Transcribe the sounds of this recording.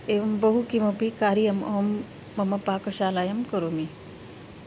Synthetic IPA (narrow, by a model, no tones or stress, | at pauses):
eːʋɐmbɐɦukimɐpikaːɾijɐmo̰ːmː | ɐmɐpaːkɐʃaːlaːjɐmkɐɾomi